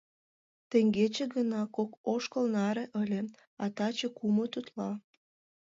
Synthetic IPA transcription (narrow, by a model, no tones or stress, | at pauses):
t̪ĕŋɡet͡ɕeɣənɑkokoʃkəlnɑɾeʔəlʲe | ɑt̪ɑt͡ɕekumot̪ut̪lɑ